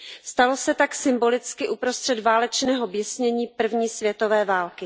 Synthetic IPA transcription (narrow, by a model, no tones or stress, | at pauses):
st̪alo̞sɛt̪aksɪmbo̞lɪt͡skɪʔupɾo̞st̪r̥ɛd̪vaːlɛt͡ʃnɛːɦo̞bjɛsɲɛɲiːpr̩vɲiːsvjɛt̪o̞vɛːvaːlkɪ